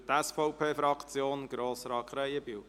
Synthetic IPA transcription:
t̪ɛsfoʊpʰeːfɾɑkt͡sjoːnɡ̥ɾoːsɾɑkʰɾɛjəbiw

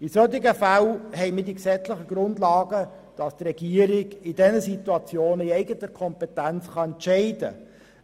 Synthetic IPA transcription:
isøtɪɡəfalhɛɪmɪdiksɛt͡slɪχəɡ̥ɾʊndlɑːɡə | d̥ɑst̪rɛɡiəɾɪɡɪdɛnəsituɑt͡sjoːnəiɛɪɡətəɾkʰɔmpɛtænt͡sχɑɛntʃɛɪdə̰

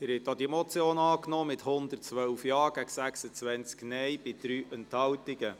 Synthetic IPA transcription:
ɪɾhɛt̚dɔd̥̪imɔt͡sjoːnɑːknɔːmɪt̪hʊnd̪ərt͡sʋœwfjɑːɾɡ̥æɡsæksət͡sʋænt͡sknɛjbɪd̪̥ɾyːʔɛnthɑltɪɡə

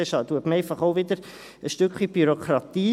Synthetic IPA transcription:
ɛʃɑtuətməɛɪfɑχoʊʋɪdəɾ | əsʃtʏkχibyɾokʰɾɑt̪iː

